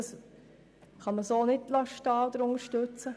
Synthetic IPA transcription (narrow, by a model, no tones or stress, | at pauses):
s | χɑməsoːnɪdlɑʃtɑːd̥̪əɾʊŋəʃtɵt͡sə